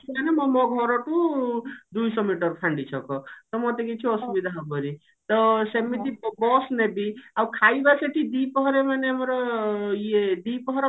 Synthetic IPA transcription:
tʰianemʌmʌɡʱʌɾʌʈũ | d̪ujsʌmeʈʌɾpʰaɳɖit͡sʰʌkʌt̪ʌmʌt̪ekit͡sʰũʌsubid̪ʱaɦbʱʌɾi | t̪ʌsemit̪ibɔsnebiakʰajbaseʈʰid̪ipʌɦɾemanemeɾʌjed̪ipɔɦɾe

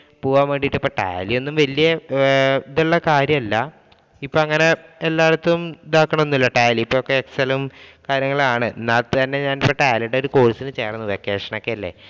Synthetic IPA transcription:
puːʋaːmeːɳɖiʈːipːoʈa̰ːjlio̞nːumʋɐlijɐ | iðuɭːɐkaːɾjɐmɐlːɐ | ipːoɭɐŋːɐne̞elːaːɐt̪ːɐʋumid̪aːkːɐɳɐmonːilːɐʈaːliipːoːɭokːeeksɐlmkaːɾjɐŋːɐɭaːɳɨnaːt̪ɐnːe̞ɲaːnpeʈːaːliɖeo̞ɾuko̞ːɭsinɨt͡ɕe̞ːrɐnːuʋekːe̞ːʂɐɳɐokːeɐlːḛ

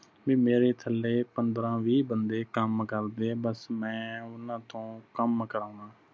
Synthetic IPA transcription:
biːmeːɾeːt̪ʰəlːeːpənd̪ɾãːʋiːbənd̪eːkəmkəɾd̪eːbəsmɛ̃ːʊnãːt̪õːkəmkəɾãːãː

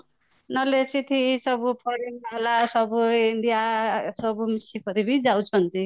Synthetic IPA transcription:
nʌlesit̪ʰisʌbupʰʌɾinalasʌbuiɳɖijasʌbumisipʰʌɾibid͡zawt͡sʰʌnt̪i

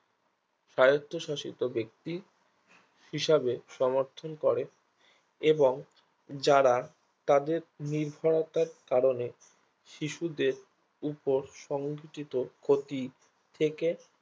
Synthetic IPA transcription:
ʃajot̪ːoʃaʃḭt̪obek̚t̪i | hiʃabeʃɔmoɾt̪ʰonkɔɾe | eboŋ | d͡ʑaɾa | t̪ad̪eɾniɾbʱaɽot̪aɾkaɾone | ʃiʃud̪eɾ | upoɾʃɔŋɡʱiʈit̪okʰot̪i | t̪ʰeke

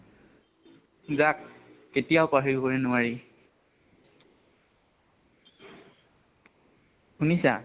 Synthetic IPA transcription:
zakː | etijaʊpaɦijkoɹɛnʊwaɹi | hunisa̰

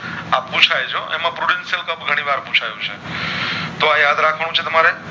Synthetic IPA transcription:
ap̚pũt͡ʃʰajt͡ʃʰoʔḛmãpɾuɽensijəlkəbɡʱəɽ̃ĩʋaɾput͡ʃʰajũt͡ʃʰḛ | t̪oajad̪ɾakʰʋãũt͡ʃʰet̪əmaɾe

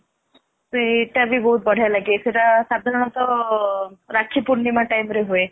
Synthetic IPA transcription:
seːʈabʱibɔɦut̪̚bəɽ̤ʱajlaɡeseʈasad̪ʱaɾɔɽ̃ɔt̪ɔ | ɾakʰːipuɾnimãʈajmɾeɦoe

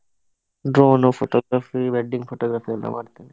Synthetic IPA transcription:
ɖɾoːnupʰoʈoːɡɾaːfiʋeɖːiŋɡpʰoʈɔːɡɾaːfʰijɐlːa̰mʔa̰ːɖt̪iːni

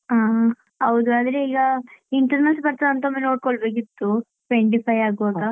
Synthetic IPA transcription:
aː | ɐwd̪uɐd̪ɾeiɡɐiɳʈɐɾnɐlspɐɾt̪ad̪ɐnt̪ɐmeːnoːʈ̚koɭbekit̪ːu | ʋeɳʈ̬ipʰɐjaːɡuɐɡa

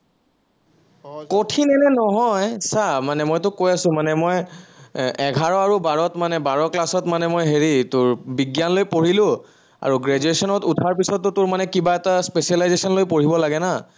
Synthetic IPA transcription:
kotʰinɛnɛnɔɦɔjsamanɛmojtʊkojasʊ̃manɛmoj | ɛɡʱaɹɔaɹubaɹɔtmanɛbaɹɔklasɔtmanɛmojɦeɹitʊɹbiɡjanlojpoɹilʊ̃ | a̰ɹuɡɹed͡ʒuesɔnɔtutʰaɹp̬isɔtːʊtʊɹmanɛkibaɛtaspesialajzesɔnlojpoɹibɔlaɡɛna

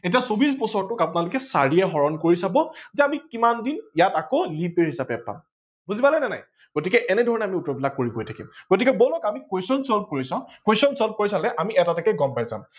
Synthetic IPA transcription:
etiasobis̬bɔsɔɹtʊkapʊnalʊkɛsa̰ɹiɛɦɔɹɔnkoɹisabɔzɛamikimandinjatakolipeɹɦisapɛpa̰m | buzipalɛnɛna̰j | ɡ̥otikɛʔɛnɛdʱɔɹɔnɛamiutɔbilakːoɹiɡojtʰakḭmɡ̥otikɛbolɔkamikwesɔnsɔlp̚koɹisãkwesɔnsɔlp̚koɹisalɛʔamiɛtatakɛɡɔmpajzã̰m

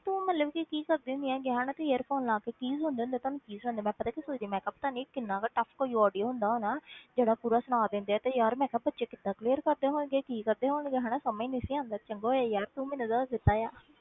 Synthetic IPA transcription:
t̪ũːmət̪ləbkɪkiːkəɾd̪eʊnd̪ijãːɡeɦaːnãːt̪eeːəɾpʰoːnlãːkeːkiːzɦʊ̃nd̪eːʊnd̪eːt̪oːnũːt͡ʃiːzɦoːnd̪eːmɛ̃ːpət̪aːkisoid̪iːmɛ̃ːkəpːt̪aːniːkɪnːãːkaːʈəpʰkoːiɔːɖijoːɦʊ̃nd̪aːɦoːnaːd͡ʒeːɽaːpuːɾaːsʊɽ̃aːd̪ẽːnd̪eɛːt̪eːjaːɾmɛ̃ːkəb̚bətːʃeːkɪd̪ãːkleːəɾkəɾd̪eːɦõːnɡeːkiːkəɾd̪eːɦoːnɡeːɦaːnaːsəmĩːnɪsiːãːnd̪aːt͡ʃəŋɡoːjaːjaːɾt̪ũːmɛ̃ːnũːd̪aːd̪ɪt̪ːaːjaː

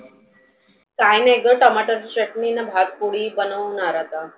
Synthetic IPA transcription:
kajneɡəʈəmaʈəɾt͡ɕəʈninəbʱad̚puɽiːbənəʋnaɾat̪a

